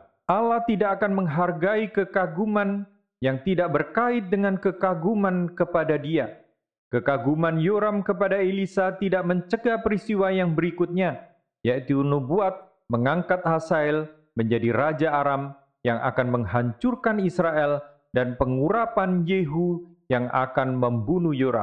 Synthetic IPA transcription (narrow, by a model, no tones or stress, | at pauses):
ʔalaht̪idakakanməŋɦarɡaikəkaɡuman | jaŋt̪idaʔbərkaɪt̪̚dəŋankəkaɡumankəpadadia | kəkaɡumanjoɾamkəpadailisat̪idaʔ̚məɲt͡ʃəɡapəɾist̪iwajaŋbəɾikut̪̚ɲa | jait̪unubuat̪̚ | məŋaŋkat̪̚hasaɛl | məɲd͡ʒadirad͡ʒaːɾam | jaŋʔa̰kanməŋhaɲt͡ʃurkanisɾaʔɛl | danpəŋuɾapanjeɦu | jaŋa̰kanməmbunujoɾa̰m